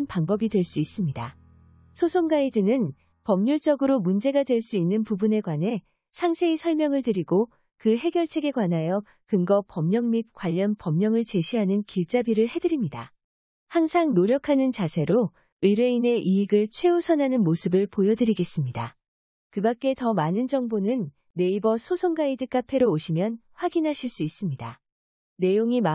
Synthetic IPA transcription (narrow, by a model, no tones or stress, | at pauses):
npaŋbʌbidwe̞ɭs͈uis͈ɯmɲida | sʰosʰoŋɡaedɯnɯn | pʌmɲuɭt͡ɕ͈ʌɡɯɾomund͡ʑe̞ɡadwe̞ɭs͈uinːɯnpubune̞ɡwanɦe̞ | sʰaŋsʰe̞isʰʌɭmjʌŋɯɭtɯɾiɡo | kɯɦe̞ɡjʌɭt͡ɕʰe̞ɡe̞ɡwanɦajʌk̚ | kɯŋɡʌpʌmɲʌŋmit̚kwaʎːʌnpʌmɲʌŋɯɭt͡ɕe̞ɕʰiɦanɯnkiɭt͡ɕ͈abiɾɯɭhe̞dɯɾimɲida | haŋsʰaŋnoɾjʌkʰanɯnt͡ɕasʰe̞ɾo | ɯɾe̞ine̞ʔiiɡɯɭt͡ɕʰwe̞osʰʌnɦanɯnmosʰɯbɯɭpojʌdɯɾiɡe̞s͈ɯmɲida | kɯbak̚k͈e̞tʌmanɯnd͡ʑʌŋbonɯnː | e̞ibʌsʰosʰoŋɡaidɯk͈apʰe̞ɾoːɕʰimjʌnɸwaɡinɦaɕʰiɭs͈uis͈ɯmɲida | ne̞joŋima